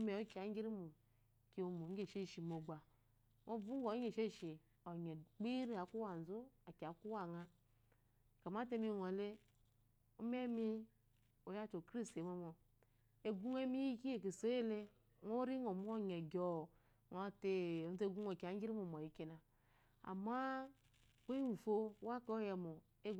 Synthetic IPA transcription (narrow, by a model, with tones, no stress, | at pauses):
me˨o˦ki˨a˨˦ŋ˦ɡi˦ɾi˦mu˨ | ki˦o˨mo˨ŋ˦e˨ʃe˦˨ʃi˨mo˨ɡ͡ba˨ | ŋo˦vu˦ŋ˦o˨˦ɲe˨ʃe˦˨ʃi˨ | o˨ɲe˨k͡pi˦ɾi˦a˨˦ku˦wa˨n˨zu˦a˨ka˨˦ku˦wa˨ŋa˦˨ | ka˨ma˦te˦mi˦˨o˨le˦ | u˦me˦mi˦ | o˨ja˦˨t͡ʃo˨kɾi˦ste˨mo˦mo˨ | e˨ɡʷu˦ŋ˦e˦mi˦ji˦ki˦e˨ki˨so˦je˦le˦ | ŋo˦ɾi˦ŋo˨m˦o˦˨ɲe˨ɡo˨ | ŋo˦te˦˨˦te˦ɡʷu˦ŋo˨ki˨a˨˦ŋ˦ɡi˦ɾi˦mo˨m˨o˨ji˨˦ki˦na˨ | a̰˨ma˦ | k͡pe˦˨fo˦wa˦ke˦o˦jɛ˨mo˨ | e˦